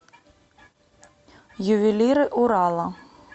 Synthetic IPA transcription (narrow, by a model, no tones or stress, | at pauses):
jʊʋʲilʲiɾɪʔʊɾɑlˠɐ